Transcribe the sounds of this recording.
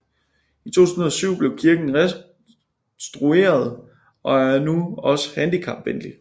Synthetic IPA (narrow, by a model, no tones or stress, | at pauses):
it͡sʰo̝̰ːt͡sʰunð̩ˠɒsyʊ̰b̥le̝ʊkʰiɐɡ̥n̩ʁɛ | sd̥ʁue̝̰ːɐð̞ˠ | ʔɒ̽æɐnuɒ̽sə̥hænd̥ikʰɑ̈b̥ʋenli